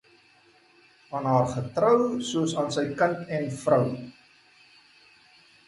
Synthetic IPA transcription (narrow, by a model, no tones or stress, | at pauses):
ʔɑːnɦɑːrχətɾəwsuəsɑːnsəjkəntɛnfrəw